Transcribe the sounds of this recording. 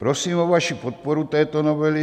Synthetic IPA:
pɾɔsiːmɔʋaʃupɔt̪̚pɔɾut̪ɛjt̪ɔnɔʋɛli

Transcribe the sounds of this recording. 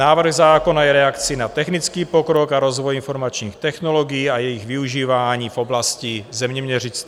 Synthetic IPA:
aːvr̩ɣzaːkonajɛɾɛakt͡sinat̪ɛxnit͡skiːpokɾokaɾozvojinfo̞ɾmat͡ʃɲiːxt̪ɛxnoloɡijiːajɛjiɣviuʒiːvaːɲiːvoblascizɛmɲɛmɲɛrit͡s

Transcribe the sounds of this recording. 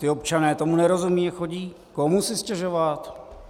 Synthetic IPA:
t̪ɪo̞pt͡ʃanɛːt̪o̞munɛɾo̞zumiːɛxo̞ɟiː | komusɪscɛʒo̞vat̪

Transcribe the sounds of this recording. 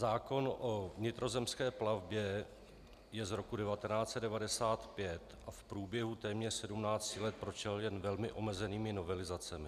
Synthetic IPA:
zaːko̞nʔovɲɪt̪ɾo̞zɛmskɛːplavbjɛ | jɛzɾo̞kudɛvat̪ɛnaːt͡sɛt̪dɛvadɛsaːt̪pjɛt̪ʔafpɾuːbjɛɦut̪ɛːmɲɛr̥sɛdumnaːt͡scɪlɛt̪̚pɾot͡ʃɛljɛnvɛlmɪʔo̞mɛzɛniːmɪno̞vɛlɪzat͡sɛmɪ

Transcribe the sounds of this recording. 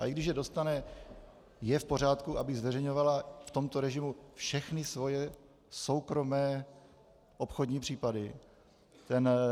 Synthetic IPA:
ʔa̰ʔiɡdɪʃjɛdo̞st̪anɛ | jɛfpo̞ɾ̝aːt̪kuʔabɪɣzvɛrɛjɲo̞valaft̪o̞mt̪oɾɛʒɪmufʃɛxnɪsvo̞jɛ | so̞wkɾo̞mɛː | ʔo̞pxodɲiːpr̝̥iːpadɪ | t̪ɛn

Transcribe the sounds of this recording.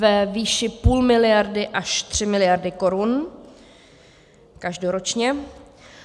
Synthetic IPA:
vɛviːʃɪpuːlmɪlɪjaɾdɪʔaʃt̪r̝̥ɪmɪlɪjaɾdɪkoɾun | kaʒdoɾot͡ʃɲɛ

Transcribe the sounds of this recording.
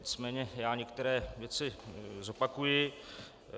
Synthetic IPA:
ɪt͡smɛːɲɛjaːɲɛkt̪ɛɾɛːvjɛt͡sɪzo̞pakujɪ

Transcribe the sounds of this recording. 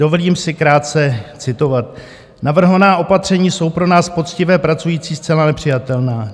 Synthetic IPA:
do̞voliːmsɪkɾaːt̪̚t͡sɛt͡sɪt̪o̞vat̪̚ | navr̩ɦovanaːʔo̞pat̪r̝̥ɛɲiːso̞wpɾo̞naːspo̞t͡scɪvɛːpɾat͡sujiːt͡siːst͡sɛlanɛpr̝̥ɪjat̪ɛlnaː

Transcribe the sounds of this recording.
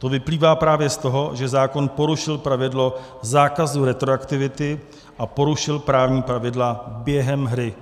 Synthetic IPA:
t̪o̞vɪpliːvaːpɾaːvjɛst̪o̞ɦo̞ʒɛzaːko̞npo̞ɾuʃɪlpɾavɪdlo̞ | zaːkazuɾɛt̪ɾoakt̪ɪvɪt̪ɪ | ʔapo̞ɾuʃɪlpɾaːvɲiːpɾavɪdlabjɛɦɛmɦɾɪ

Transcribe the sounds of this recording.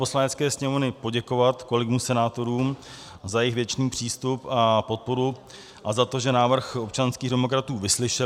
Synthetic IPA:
po̞slaɲɛt͡skɛːsɲɛmovnɪpo̞ɟɛko̞vat̪kolɪɡmusɛnaːt̪o̞ɾuːm | zajɛɪɣvjɛt͡ʃniːpr̝̥iːst̪upapo̞t̪̚po̞ɾu | ʔazat̪o̞ʒɛnaːvr̩xo̞p̚t͡ʃanskiːɣdɛmo̞kɾat̪uːvɪslɪʃɛ

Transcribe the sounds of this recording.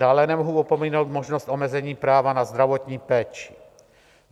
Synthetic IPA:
aːlɛnɛmoɦuopomiːnowt̪moʒnost̪ʔo̞mɛzɛɲiːpɾaːvanazd̪ɾavot̪ɲiːpɛːt͡ʃɪ̥

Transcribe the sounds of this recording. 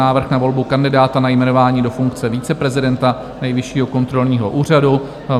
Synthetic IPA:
aːvr̩xnavo̞lbukandɪdaːt̪anajmɛno̞vaːɲiːdo̞fuŋkt͡sɛviːt͡sɛpɾɛzɪdɛnt̪a | nɛjvɪʃiːɦo̞ko̞nt̪ɾo̞lɲiːɦo̞ʔuːr̝adu

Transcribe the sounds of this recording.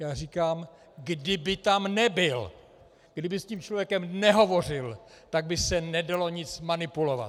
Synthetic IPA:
jaːr̝iːkaːm | ɡdɪbɪt̪amnɛbɪl | ɡ̥dɪbɪsciːmt͡ʃlovjɛkɛmnɛɦo̞vo̞r̝ɪlt̪aɡ̚bɪsɛnɛdalo̞ɲɪt͡smanɪpulo̞va̰t̪

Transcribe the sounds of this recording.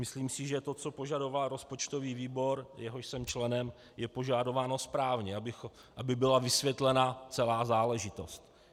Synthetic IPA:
mɪsliːmsɪʒɛt̪o̞t͡so̞po̞ʒado̞valɾo̞spo̞t͡ʃt̪o̞viːviːbo̞ɾjɛɦo̞ʃsɛmt͡ʃlɛnɛm | jɛpo̞ʒaːdo̞vaːno̞spɾaːvɲɛabɪx | ʔabɪbɪlavɪsvjɛt̪lɛnat͡sɛlaːzaːlɛʒɪt̪o̞st̪

